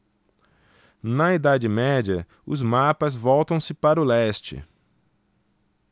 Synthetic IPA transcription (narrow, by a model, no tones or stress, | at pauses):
nɐid̪ad͡ʒɪmɛd͡ʒɐ | ʊzmapɐzvɔwt̪ɐ̃w̃sɪpaɾʊlɛst͡ʃɪ̰